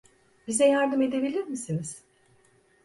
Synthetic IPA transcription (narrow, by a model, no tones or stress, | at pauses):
bizɛjaɾd̪ɯme̞d̪e̞bilʲiɾmisiniz̥